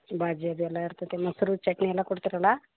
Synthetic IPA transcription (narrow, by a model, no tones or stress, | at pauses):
bʱad͡ʒiɐbiɛlːaiɾt̪at̪emɐsɾut͡ʃɐʈniɛlːakoɽt̪iɾala